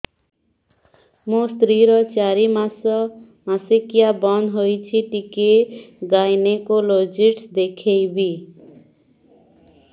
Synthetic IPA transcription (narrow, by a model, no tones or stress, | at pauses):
most̪ɾiɾʌt͡ʃaɾimas | masekijabʌnɦojt͡sʰiʈikeɡajnekolod͡ziʈd̪ekʰejbi